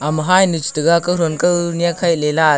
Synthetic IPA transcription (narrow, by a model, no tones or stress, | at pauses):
amɯɦajnɯt͡ʃitɯɡakɯɾɔnkɯwnijakʰajlela